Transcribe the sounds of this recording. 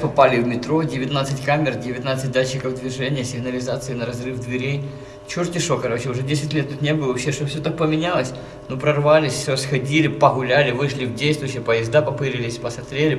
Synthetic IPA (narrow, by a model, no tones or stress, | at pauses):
pɐpalʲɪvmʲɪt̪ɾo̞dʲɪvʲɪt̪nat̪sɨtʲkamʲɪrdʲɪvʲɪt̪nat̪sɨt̚ʲd̪at͡ɕːɪkəvd̪vʲɪʐɛnʲɪjəsʲɪɣnəlʲɪzat̪sɨɪnəɾɐzrɨfd̪vʲɪɾʲej | t͡ɕurtʲɪʂokɐɾo̞t͡ɕɪʊʐɛdʲesʲɪtʲlʲet̪ːut̪nʲebɨlˠvɐpɕeʂt̪ofsʲot̪ak̚pəmʲɪnʲalˠəsʲ | nopɾɐrvalʲɪsʲsʲrəsxɐdʲilʲɪpəɣʊlʲælʲɪvɨʂlʲɪvdʲejst̪vʊjɕːɪjəpəjɪzd̪apɐpɨɾʲɪlʲɪsʲpəsɐft̪ɾʲelʲɪ